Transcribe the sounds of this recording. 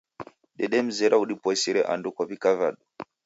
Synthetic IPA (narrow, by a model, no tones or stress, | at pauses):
ɗɛɗɛm̩zɛɾauɗipɔsiɾɛʔa̰ndukaβikavaɗu